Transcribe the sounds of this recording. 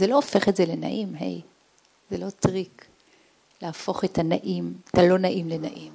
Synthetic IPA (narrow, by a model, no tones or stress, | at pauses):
zelo̞ofe̞χetzelena̰ʔimɦe̞̰j | zelo̞tʁik | leafo̞χetanaʔimetalo̞naʔimlenaʔim